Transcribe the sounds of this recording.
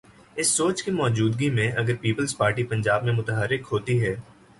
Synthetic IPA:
ɪsːoːt͡ʃkimɔːd͡ʒuːd̪ɡimẽʔɐɡəɾpiːpəlzpaːɾʈipɐ̃ɲd͡ʒaːbmẽmʊt̪əɦəɾːɪkɦoːt̪iɦɛː

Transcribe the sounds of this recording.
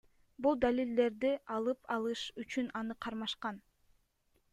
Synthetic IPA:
bulˠd̪alʲild̪e̞ɾd̪iʔɑlˠɯpʰɑlˠɯʃyt͡ʃynɑnɯqʰɑɾmɑʃqɑn

